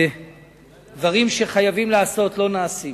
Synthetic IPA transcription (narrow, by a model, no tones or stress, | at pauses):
dvaʁimʃe̞χajavimleaso̞tlo̞naːsi